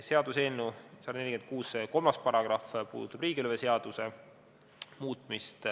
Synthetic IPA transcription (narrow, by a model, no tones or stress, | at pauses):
se̞ɑd̪̥usenːusɑd̪ɑneliɡ̥en̚kuːsko̞lmɑspɑɾɑɡ̥rɑfpṵːd̪ut̪ːˑɑb̥riːɡ̥iylveseɑd̪̥use | muːt̪ˑmist̪